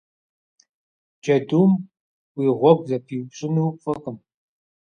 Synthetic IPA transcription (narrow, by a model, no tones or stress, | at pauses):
d͡ʒɐduːmʷ | iːʁʷɔɡ̚ʷzɐpʰiːwɕʼɪnuwpfʼɐkʼɨm